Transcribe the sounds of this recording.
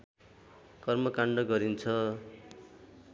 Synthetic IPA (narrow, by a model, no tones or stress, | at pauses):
kʌrmʌkaɳɖʌɡʌɾint͡sʰʌ